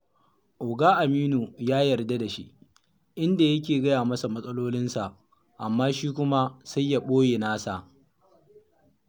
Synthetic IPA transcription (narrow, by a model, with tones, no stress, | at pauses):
ʔoː˨ɡaː˦ʔa˨miː˦nu˨jaː˦jɐ˨rda˦da˨ʃi˦ʔ | ʔɪ˦nda˨jɐ˦k̬ʲeː˨ɡɐ˦jaː˨mɐ˦sa˨mɐ˦sʼɐ˦loː˦lɪ˦nsa˨ʔ | ʔa˨mːaː˦ʃiː˦kʷʊ˦ma˦sa˦jːa˨ɓoː˦je˨naː˦sa˨ʔ